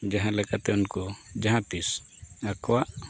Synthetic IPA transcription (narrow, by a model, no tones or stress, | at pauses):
d͡ʒãɦãlɛkat̪ɛunkod͡ʒaɦãt̪is | akwaʔ